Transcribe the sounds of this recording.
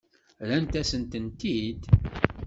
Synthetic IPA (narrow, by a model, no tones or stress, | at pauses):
lænt̪æsənt̪ənt̪id̪